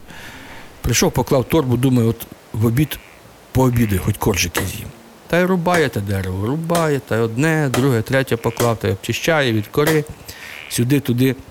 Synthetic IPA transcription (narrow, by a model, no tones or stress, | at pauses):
pɾɪʃɔwpɔklˠɑwt̪ɔrbʊd̪umɐjɛɔt̪ | ʋɔbʲit̪ | pɔːbʲid̪ʊjxɔtʲkɔrʒɪkʲizʲjḭ | t̪ɑjɾʊbɑjɛt̪ɐd̪ɛɾeʋɔɾʊbɑjɛt̪ɑjɔd̪nɛd̪ɾuɦɛt̪ɾɛtʲɐpɔklˠɑwt̪ɑjɔp̚t͡ʃɪʃt͡ʃajɛʋʲid̪kɔɾɪsʲʊd̪ɪt̪ʊd̪ɪ